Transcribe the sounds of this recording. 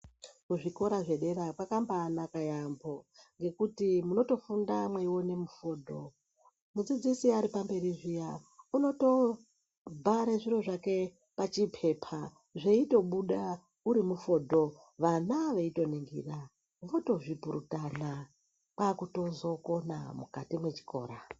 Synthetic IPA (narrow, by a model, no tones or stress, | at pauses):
kuʐiko̞ɾaʐe̞ɗe̞ɾakwakambanakajambo̞ŋɡe̞kutimuno̞to̞fundamweiwo̞ne̞mufo̞dʱo̞ | mud͡zid͡zisiaɾipambe̞riʐijauno̞to̞ | bʱaɾeʐiro̞ʐake̞ | pat͡ʃipʰe̞pʰa | ʐeito̞ɓuɗa | uɾimufo̞ːdʱo̞ | ʋanaʋeito̞neŋɡḭːra | ʋo̞to̞ʐipuɾṵtana | kakuto̞zo̞ko̞na̰mukatimwe̞t͡ʃi̥ko̞̰ːɾa